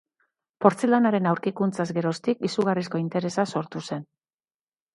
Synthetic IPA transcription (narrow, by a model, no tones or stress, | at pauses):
po̞ɾt͡selanaɾe̞nawɾkikunt͡sazɡe̞ɾo̞st̪ikisuɣ̞arisko̞int̪e̞ɾe̞saso̞ɾt̪use̞n